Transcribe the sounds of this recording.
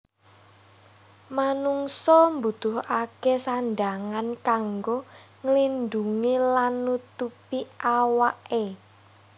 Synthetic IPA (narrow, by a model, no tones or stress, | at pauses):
manuŋsɔmbṳd̪̥ʊɦakesanɖaŋankaŋɡoŋəlind̪uŋilanːut̪upiʔawaʔe